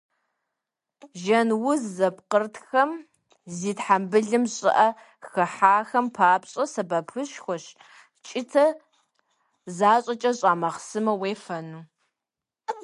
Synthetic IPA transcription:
ʒɐnwʊzːɐp̚qərtʰxɐm | ziːtħambɨɮɨmɕʼɪ̰ʔɐ | xɐħaːxɐmpʰaːpɕʼɐsɐbɐpʰɨɕxʷɔɕ | t͡ʃʼɪtʰɐ | zaːɕʼɐt͡ʃʼɐɕʼaːmɐχsɨmɐweːfɐnuː

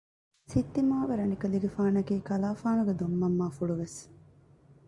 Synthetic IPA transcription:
sit̪ːimaːʋeɾɐnikɐliɡefaːnɐkiːkɐlaːfaːnuɡed̪omːɐmːaːfuɭuʋes

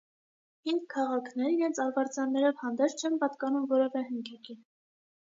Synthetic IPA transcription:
hiŋɡkʰːɑʁɑkʰnɛɾiɾɛnt͡sʰɑɾvɑɾt͡sjɑnːɛɾɔvhɑnd̪ɛɾt͡sʰt͡ʃʰɛnpɑt̪kɑnumvɔɾɛvɛɦəŋkʰɛki

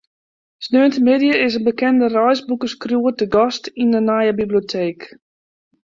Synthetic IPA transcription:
snøːəntəmɪdjəɪs̬ənbəkɛndərɔjsbukəskrjuətəɡɔstinənajəbibliotʰeːk

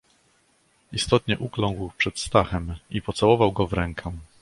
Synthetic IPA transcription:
ist̪ɔt̪ɲɛʔuklɔ̃ŋɡwpʂɛt̪st̪axɛmipɔt̪sawɔvawɡɔvɾɛŋkʰɛ̃

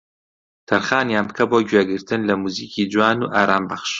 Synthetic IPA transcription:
t̪ʰɐɾxaːnjaːnp̚kʰɐboːɟweːɡɨɾt̪ʰɨnlɐmuːziːciːd͡ʒuwaːnuːʔaːɾaːmbɐχʃ

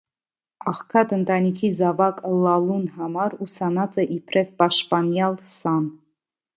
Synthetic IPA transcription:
ɑχkʰɑt̪ənt̪ɑnikʰizɑvɑklɑlunhɑmɑɾusɑnɑt͡sɛʔipʰɾʔɛvpɑʃt̪pɑnjɑlsɑn

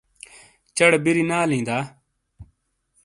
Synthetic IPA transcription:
t͡ʃəɽbiɾiːnaːlĩːnd̪aː

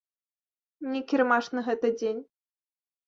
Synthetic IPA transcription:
nʲɛkʲirmaʂnɨɣɛt̪ɨd͡zʲenʲ

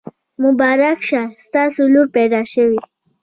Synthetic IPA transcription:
mʊbaːɾakʃast̪asulupɛd̪aʃəwi

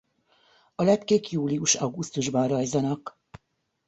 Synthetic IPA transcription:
ɒlɛt̪keːkjuːliuʃɒɡust̪uʒbɒnrɒjzɒnɒk

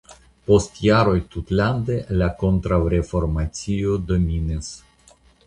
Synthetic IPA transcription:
po̞stjaɾo̞jtut̪land̪e̞lako̞nt̪ɾawɾe̞fo̞ɾmat͡sio̞d̪o̞minis

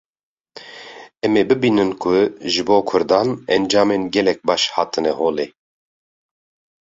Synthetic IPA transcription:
ɛmeːbɨbiːnɨnkʰʊʒɨboːkʰʊɾd̪ɑːnɛnd͡ʒɑːmeːnɡɛlɛk̚bɑːʃhɑːt̪ʰɨnɛhoːleː

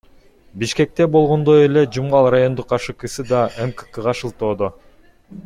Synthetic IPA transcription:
biʃke̞k̚t̪e̞bo̞lˠʁo̞nd̪oje̞le̞d͡ʒumʁɑlˠrajo̞nd̪uqːɑʃɯkɯsɯd̪ɑʔemkə̥kɯʁɑʃɯlˠt̪o̞ːd̪o

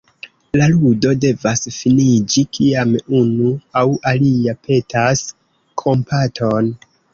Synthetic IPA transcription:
laludo̞de̞vasfinid͡ʒikʰiamunuawʔaliapʰe̞tʰas | kʰo̞mpʰatʰo̞n

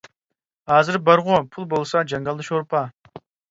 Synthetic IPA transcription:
hɑːzɨɾbɑɾʁʊpʰulˠbolˠsɑd͡ʒɑŋɡɑlˠd̪ɨʃoɾpʰɑ

